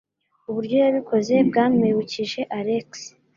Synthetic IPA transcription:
uβuɾɟo̞jaβikʰo̞ze̞bɡaːmewuciʒe̞ʔaɾeks

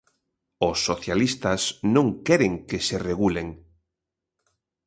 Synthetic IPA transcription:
osːoθjalist̪asnõŋkɛɾeŋkesereɣuleŋ

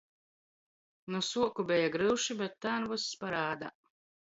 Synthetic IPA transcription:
nusuɔkubʲɛjaɡɾɨwʃibʲɛt̪ːaːnvusːpaɾaːd̪a̰

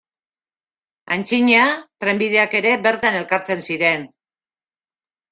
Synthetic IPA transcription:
ant͡siɲat̪ɾe̞mbið̞e̞ake̞ɾe̞βe̞ɾt̪ane̞lkaɾt͡se̞nsiɾe̞n

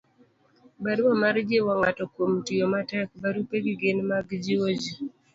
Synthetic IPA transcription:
baɾwamaɾd͡ʒewaŋatɔkwomtijomatɛk̚baɾupeɡɪɡenmaɡd͡ʒiwod͡ʒi

